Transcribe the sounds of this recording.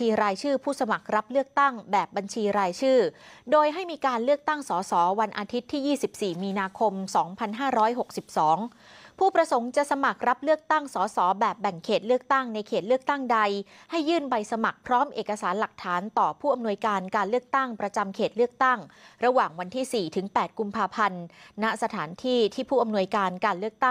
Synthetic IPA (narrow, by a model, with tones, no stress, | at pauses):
iː˧ɾaː˧jt͡ɕʰɯː˥˩pʰuː˥˩sa˧ma˨˩k̚ɾa˦˥p̚lɯ˥˩ək̚t̪a˥˩ŋbɛː˨˩p̚ba˧nt͡ɕʰiː˧ɾaː˧jt͡ɕʰɯː˥˩doː˧jɦa˥˩jmiː˧kaː˧nlɯ˥˩ək̚t̪a˥˩ŋsɔː˩˦sɔː˩˦wa˧nʔaː˧t̪ʰi˦˥t̪ʰːiː˥˩jiː˥˩si˨˩p̚siː˨˩miː˧naː˧kʰo˧msɔː˩˦ŋpʰa˧nɦaː˥˩ɾɔː˦˥jɦo˨˩k̚si˨˩p̚sɔː˩˦ŋ | pʰuː˥˩pɾa˧so˩˦ŋt͡ɕa˨˩ʔsa˧ma˨˩k̚ɾa˦˥p̚lɯ˥˩ək̚t̪a˥˩ŋsɔː˩˦sɔː˩˦bɛː˨˩p̚bɛ˨˩ŋkʰeː˨˩t̪̚lɯ˥˩ək̚t̪a˥˩ŋna˧jkʰeː˨˩t̪̚lɯ˥ək̚t̪a˥˩ŋda˧jha˥˩jːɯː˥˩nba˧jsa˧ma˨˩k̚pʰɾɔː˦˥mʔeː˨˩kːa˧saː˩˦nla˨˩k̚t̪ʰaː˩˦nt̪ɔː˨˩pʰuː˥˩ʔa˧mnu˧əjkaː˧nkaː˧nlɯ˥˩ək̚t̪a˥˩ŋpɾa˧t͡ɕa˧mkʰeː˨˩t̪̚lɯ˥˩ək̚t̪a˥˩ŋɾa˧waː˨˩ŋwa˧nt̪ʰiː˥˩siː˨˩t̪ʰɯ˩˦ŋpɛː˨˩t̪̚ku˧mpʰaː˧pʰa˧nːa˦˥sa˧t̪ʰaː˩˦nt̪ʰiː˥˩t̪ʰiː˥˩pʰuː˥˩ʔa˧mnu˧əjkaː˧nkaː˧nlɯ˥˩ək̚t̪a˥˩